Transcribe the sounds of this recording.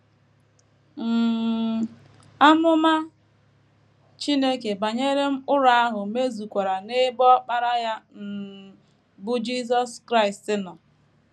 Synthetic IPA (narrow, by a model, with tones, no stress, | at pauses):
m̩˨ | a˦mʊ˦ma˦ | t͡ʃi˦ne˦ke˨ba˨ɲe˦ɾe˦m̩˦ʊ˦ɾa˦a˦ɦʊ˨me˦zu˨kʷa˨ɾa˨ne˦bɔ˦k͡pa˦ɾa˦ja˦m̩˦ | bʊ˦d͡ʒi˦s̬ɔ˦skɾa˦ɪ˨stɪ˦nɔ˨